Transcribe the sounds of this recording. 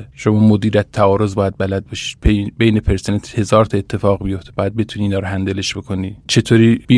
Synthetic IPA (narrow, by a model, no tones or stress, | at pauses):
ʃomɒːmod̪iːɾæt̪tʰːæɒːɾo̞zbɒːjæd̪̚bælæd̪̚bɒʃi̥ːd̪bʰebejnepʰeɾsenent̪he̞zɒːɾt̪ʰɒet̪ʰːe̞fɒːɣbijo̞ft̪ebɒːjæd̪̚be̞t̪ʰuniːnɒːɾoɦænd̪eleʃbe̞kʰo̞niːt͡ʃʰe̞t̪ʰoːɾiːbi